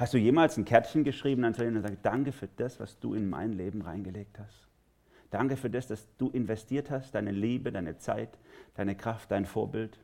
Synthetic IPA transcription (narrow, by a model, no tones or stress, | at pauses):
hastd̥uːjeːmaːlsn̩kʰɛɐtçənɡəʃʁ̥iːbm̩ansɛlinzaːɡəd̥aŋkəfyːɐd̥asv̥a̰sd̥ṵːɪnma̰ɪnleːbm̩ʁa̰ɪnɡəleːk̚thast | d̥aŋkəfyːɐdasd̥asd̥uːʔɪnvɛstʰiːɐthast̚d̥aɪnəliːbədaɪnət͡sa̰ɪtd̥aɪnəkʁ̥aft̚d̥aɪnfoːɐbɪlt